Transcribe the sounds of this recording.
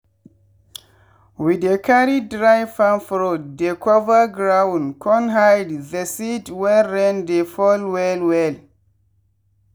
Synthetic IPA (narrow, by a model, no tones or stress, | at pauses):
widekʰaɾidɾajfãnfɾod̚ːekʰɔvaɡɾawnkʰɔ̃nɦajdðesitwɛɾɛ̃ndefɔlwɛlwɛl